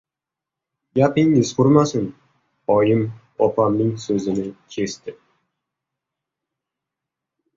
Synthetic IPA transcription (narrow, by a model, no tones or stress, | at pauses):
japɪŋɪzqʰʊɾmasɪn | ɒjɪm | ɒpamnɪŋsɵzɪnɪkʲʰe̞st̪ɪ